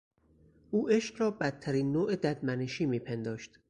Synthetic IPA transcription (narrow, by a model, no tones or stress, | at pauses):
ʔuːʔe̞ʃqɾɒːbæt̪̚t̪ʰːæɾiːnːoːʔed̪æd̪mæneʃiːmiːpʰe̞nd̪ɒːʃt̪